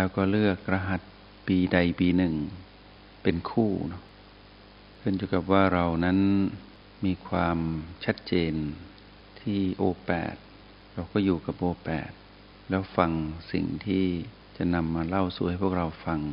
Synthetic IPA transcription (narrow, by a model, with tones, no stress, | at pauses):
lɛː˦˥wkɔː˥˩lɯ˥˩ək̚ɾa˧ɦa˨˩t̪̚ | piː˧da˧jpiː˧nɯ˨˩ŋ | pe˧nkʰuː˥˩nɔ˦˥ʔ | kʰɯ˥˩˨nt͡ɕuː˧˩ka˨˩p̚waː˥˩ɾa˧wna˦˥n | miː˧kʰwaː˧mt͡ɕʰa˦˥t̪̚t͡ɕeː˧n | t̪ʰiː˥˩ʔoː˧pɛ̰ː˨˩t̪̚ | ɾa˧wkɔː˥˩juː˨˩ka˨˩p̚ʔoː˧pɛ̰ː˨˩t̪̚ | lɛː˦˥wfa˧ŋsḭ˨˩ŋt̪ʰiː˥˩ | t͡ɕa˨˩na˧mːaː˧la˥˩wsu˨˦ha˥˩jpʰu˥˩ək̚ɾa˧wfa˧ŋ